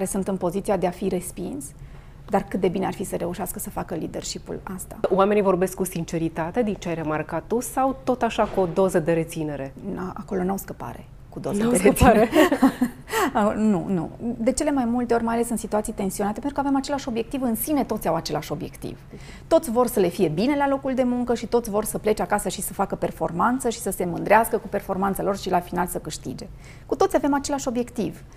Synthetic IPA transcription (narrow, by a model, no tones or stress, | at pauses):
kaɾe̞sunt̪ɨnpo̞zit̪siad̪e̞afiɾe̞spins | d̪arkɨt̪̚d̪e̞binearfisəɾe̞uʃeaskəsəfakəlid̪e̞rʃipṵlast̪a̰oame̞nivo̞rbe̞skːusint͡ʃe̞ɾit̪at̪e̞d̪int͡ʃeajre̞markat̪ːusawt̪o̞t̪aʃakuo̞d̪o̞zəd̪e̞ɾe̞t̪sine̞ɾe̞aʔa̰ko̞lo̞nawskəpa̰ɾe̞̰ | kud̪o̞zəeɾe | nṵnṵd̪e̞t͡ʃele̞majmult̪e̞o̞rʲmajale̞sɨnsit̪uat̪sijt̪e̞nsio̞nat̪epent̪ɾukavemat͡ʃe̞laʃo̞bje̞k̚t̪ivɨnsine̞t̪o̞t̪sʲawat͡ʃe̞laʃo̞bje̞̰kt̪ḭv | t̪o̞t̪sʲvo̞rsəle̞fije̞bine̞lalo̞kuld̪e̞muŋkəʃit̪o̞t̪sʲvo̞rsəple̞t͡ʃakasəʃisəfakəpe̞rfo̞̰rmant̪səʃi̥səse̞mɨnd̪ɾeaskəkupe̞rfo̞rmant̪salo̞rʃilafinalsəkɨʃt̪ḭd͡ʒe̞ | kut̪o̞t̪sijave̞mat͡ʃe̞laʃo̞bje̞kt̪iv